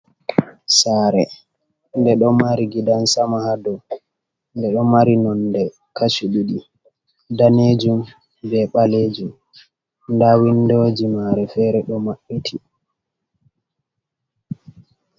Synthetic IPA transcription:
saːɾɛ | ndɛɗɔmaɾiɡidansamahadɔ | ndɛɗɔmaɾinɔndɛ | kasuɗuɗi | daned͡ʒum | bɛɓaled͡ʒum | ndawindod͡ʒimaɾɛfɛɾɛɗɔmaɓːitʰi

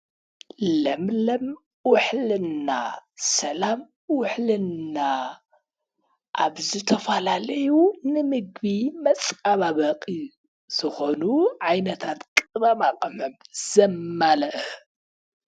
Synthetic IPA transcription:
lɐmlɐm | wʊħlɨna̰sɐlam | wʊħlɨnːa | ʔaβzɨt̪ʰɐfalalɐjunɨmɨɡbimɐt͡sʼaβaβɐqʼi | z̥ɨxo̞nuʕajnɐt̪ʰat̪kʼɨβɐmakʼɐmɨmz̥ɐmːalɐʔ

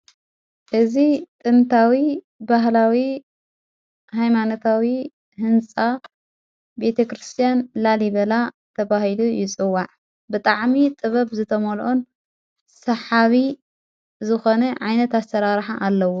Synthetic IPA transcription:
ʔɨzit̪ʼɨnt̪ʰawi | baɦlawi | hajmanot̪ʰawi | hɨnt͡sʼa | be̞t̪ʰɐkɾɨst̪ʰijanlaliβɐla | t̪ʰɐβahilujɪt͡sʼɨwːaʕ | bɨt̪ʼaʕmit̪ʼɨβɐβzɨt̪ʰɐmolʔon | sɐħaβi | zɨxo̞nɐʕajnɐt̪asɐɾaɾħaʔalːɐwo

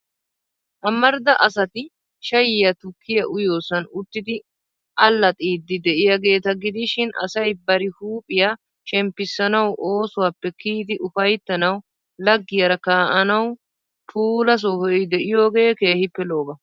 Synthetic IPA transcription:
ʔɐmːɐɾd̪ɐʔɐsɐt̪ɪ | ʃɐjɪjɐt̪ʊkʰːɪjɐʔʊjo̞ːsɐnʊt̪ːɪd̪ɪ | ʔɐlːɐt̪ʼiːd̪ːɪd̪ɛʔɪjɐɡe̞ːt̪ɐɡɪd̪ɪʃɪnɐ̰sɐjbɐɾɪhuːpʼɪja | ʃɛmpːɪsːɐnɐwʔo̞ːsʊwaːpːɛkiːd̪ɪʔʊfɐjt̪ːɐnɐw | lɐɡːɪjɐɾɐkaːʔɐnɐw | pʰuːlɐs̬ohɔɔjd̪ɛʔɪjo̞ːɡe̞ːkeːhɪpːɛlo̞ːbɐ

